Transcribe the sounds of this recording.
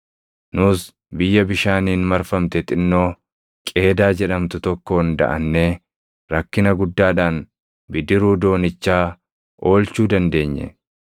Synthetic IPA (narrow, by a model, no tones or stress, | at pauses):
nʊs | bɪjːɐbɪʃaːniːnmɐɾfɐmt̪ɛt̪ɪnːo̞ː | kʼe̞ːd̪aːd͡ʒɛᶑɐmt̪ʊt̪ɔkːo̞ːnd̪ɐ̰ʔɐnːeː | ɾɐkːɪnɐɡʊd̪ːaːᶑaːn | bɪd̪ɪɾuːd̪o̞ːnɪt͡ʃːaː | o̞ːlt͡ʃuːd̪ɐnd̪e̞ːɲːɛ̰